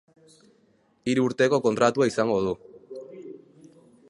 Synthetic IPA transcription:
iɾuuɾt̪e̞ko̞ko̞nt̪ɾat̪uaisaŋɡo̞ð̞u

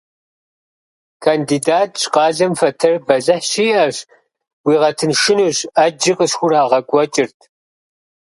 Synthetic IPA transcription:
kʰandiːdaːt̚ʰɕʼqɑːɮɐmfɐtʰɐrbɐzɐħɕiːʔɐɕ | wiːʁɐtʰɨnʃɪnuːɕɐd͡ʒiqʼəɕxʷʊraːʁɐkʷʼɔt͡ʃʼɪrtʰ

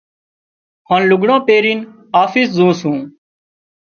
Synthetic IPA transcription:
ɦaːnlʊɡɽõːpeːɾiːn | aːfiːszũːsɦũː

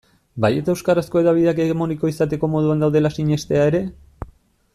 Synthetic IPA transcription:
baje̞t̪aewskaɾasko̞e̞ðaβiðe̞ake̞ɣemo̞niko̞isat̪e̞ko̞mo̞ð̞uand̪awðe̞lasiɲe̞st̪e̞ae̞ɾe̞

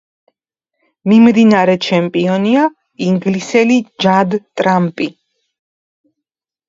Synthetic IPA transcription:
mimd̪inaɾɛt͡ʃʰɛmpʼiɔnia | iŋɡlisɛlid͡ʒad̪t̪ʼɾampʼi

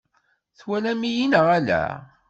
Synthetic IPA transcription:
θwælæmijinəʁælæ̰

